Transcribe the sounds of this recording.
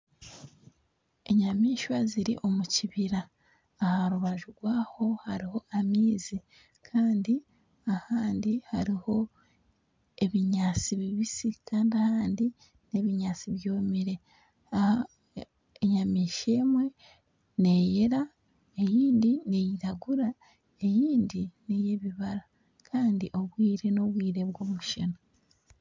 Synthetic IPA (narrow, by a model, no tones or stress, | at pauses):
e̞ɲamiːʃwaziɾḭʔo̞muciβiɾaː | haɾuβaʒuɡwaːho̞haɾiho̞ʔamiːzi | kʰaːndi | ahaːndihaɾiho̞ | e̞βiɲaːt͡siβiβisikʰaːndiahaːndi | ne̞βiɲaːt͡siβjo̞ːmiɾe̞ | a | eɲamiːʃe̞ːmwe̞ | ne̞jeɾa | e̞jiːndinejiɾaɡuɾa | e̞jiːndinije̞βiβaɾa | kʰaːndiʔo̞βwiːɾe̞no̞βwiːɾe̞βɡo̞ːmuʃeno